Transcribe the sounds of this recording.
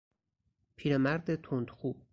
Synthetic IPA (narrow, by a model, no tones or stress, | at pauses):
pʰiːɾemæɾd̪et̪ʰond̪xuːb̥̚